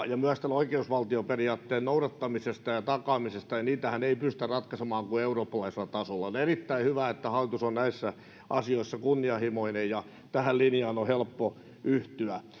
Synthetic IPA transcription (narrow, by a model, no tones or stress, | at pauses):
jɑmyæst̪æloikeusʋɑlt̪ioperiɑːt̪ːeːnnouɾɑt̪ːɑmisest̪ɑjɑt̪ɑkɑːmisest̪ɑjɑniːt̪æhæneipyst̪ærrɑt̪kɑsemɑːŋkueuroːpːɑlɑiselːˑɑt̪ɑsolːɑonerit̪ːæihyʋæet̪ːæhɑlːˑit̪usonnæisːæ | ʔɑsioisːɑkunːiɑhimoinejjɑ | t̪æhællinjɑːnohelpːo | yht̪yæ